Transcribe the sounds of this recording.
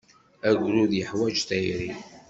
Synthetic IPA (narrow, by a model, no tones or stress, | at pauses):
æɡʷɾuðjəħwæd͡ʒt̪æjɾi